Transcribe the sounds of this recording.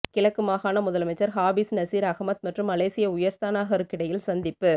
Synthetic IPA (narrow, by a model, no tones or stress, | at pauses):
kɪɭɐkːɯmaːɣaːnɐmʊðɐlɐmɐɪt͡ʃːɐɾɦaːbisnɐsiːɾɐɣɐmɐt̪̚mɐʈrɯmɐleːsɪjɐʊjɐɾst̪aːnaːɣɐɾɯkːɪɽɐjɪlsɐnd̪ɪpːɯ